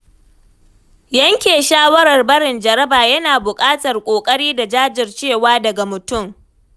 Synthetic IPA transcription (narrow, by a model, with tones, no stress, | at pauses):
jɐ˦ŋkʲeː˨ʃaː˦wɐ˦ɾɐ˨rbɐ˦ɽɪ˨nd͡ʒɐ˨ɾɐ˦baː˨jɐ˦naː˨bʊ˨kʼaː˦tɐ˨rkʷʼoː˨kʼɐ˦ɽiː˦da˨d͡ʒaː˦d͡ʒɪ˨rt͡ʃeː˦˨waː˦dɐ˨ɡa˨mʊ˨tʊ˦˨m